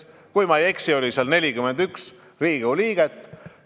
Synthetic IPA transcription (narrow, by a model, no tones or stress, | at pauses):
kujmɑjeksio̞lʲiseɑlne̞lʲikyme̞nd̪yks | riːɡ̥uliːɡ̥et̪ːˑ